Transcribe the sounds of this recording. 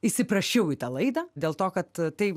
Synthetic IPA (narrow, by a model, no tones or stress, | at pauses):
isʲɪpɾɐʃʲɛʊit̪ɐlˠɐɪd̪ɐd̪ʲeːlˠt̪oːkɐt̪t̪ɐɪ